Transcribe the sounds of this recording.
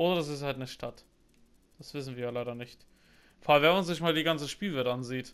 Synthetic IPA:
ʔoːɾɐdas̬ɪsthaltnəʃtʰat | d̥asv̥ɪsn̩viːɐjalaɪɾɐnɪçt | fɔalnvɛɐmanzɪçmaːldiːɡant͡səʃpiːlvɛtəʔanziːt

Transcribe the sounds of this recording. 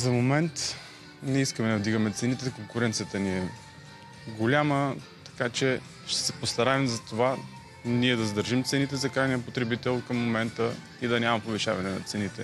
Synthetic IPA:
zɐmomɛnt̪ | nɛiskəmɛd̪ɐvd̪iɡɐmɛt̪sɛnit̪ɛkoŋkʊɾɛnt̪sijət̪əniɛ | ɡolʲamə | t̪ɐ̥kat͡ʃɛ | ʃt̪ɛ̥sɛ̥post̪ɐɾaɛmzɐt̪ova | niɛd̪ɐzd̪əɾʒimt̪sɛnit̪ɛzɐkɾajnijəpot̪ɾɛbit̪ɛlˠkəmːomɛnt̪ə | id̪ɐnʲamɐpoviʃa̰vɐnɛnɐ̰t̪sɛnit̪ɛ

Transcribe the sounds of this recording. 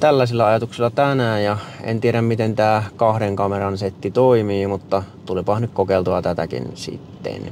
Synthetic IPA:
t̪ælːæsilːæɑjɑt̪uksilːɑt̪ænæjɑḛnt̪ieɾæmmit̪ent̪æːkɑhɾeŋkɑmerɑnset̪ːit̪oimiːmut̪ːɑt̪ulipɑhnykkokeˑlt̪uɑt̪æt̪æ̰kḭnsḭt̪ːḛn

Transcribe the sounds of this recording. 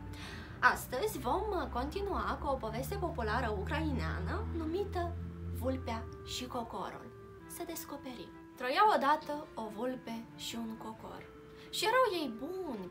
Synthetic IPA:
ast̪əzʲvo̞mko̞nt̪inuakuo̞po̞ve̞st̪e̞po̞pulaɾəukɾainea̰nənumit̪əvulpeaʃiko̞ko̞̰ɾṵl | səd̪e̞sko̞pe̞ɾḭ | t̪ɾojawod̪at̪əo̞vulpe̞ʃiuŋko̞ko̞̰r | ʃije̞ɾawje̞jbunʲ

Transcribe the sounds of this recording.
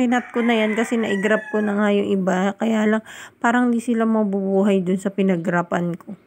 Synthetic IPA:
ɪnat̪̚konɐjankɐsɛnɐʔɪɡɾap̚konɐŋajʊŋʔɪbakɐjaːlɐŋpaːɾɐŋɪnd̪isɪlamɐbubuːɦɐjd̪ʊnsɐpɪnɐɡɾaːpɐnkʰo̞

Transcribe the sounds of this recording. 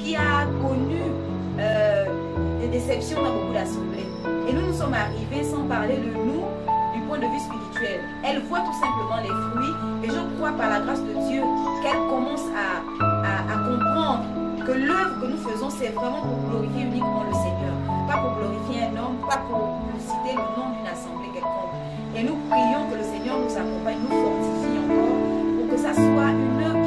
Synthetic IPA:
kʲiakɔny | ø | d̪ed̪esɛpsjɔ̃ãbokud̪asɑ̃ble | enunusɔmaʁivesɑ̃paʁled̪ənu | d̪ypwɛ̃d̪əvyspiʁit̪ɥɛl | ɛlvwat̪u̥sɛ̃pləmɑ̃lɛfχɥieʒəkwapaʁlaɡʁasd̪əd̪jøəkɛlkɔmɑ̃sa | aakɔ̃pχɑ̃d̪ʁ | kəlœvʁəkənufəzɔ̃sɛvʁɛmɑ̃puʁɡlɔʁifjeynikmɑ̃ləsɛɲœːʁpapuʁɡlɔʁifjeɛ̃nɔmpapuʁ | lisit̪elənɔ̃d̪ynasɑ̃blekɛlkɔ̃k | enupχijɔ̃kələsɛɲœʁnuzakɔ̃paɲnufɔʁt̪ifiɑ̃kɔʁpuʁkəsaswaynø

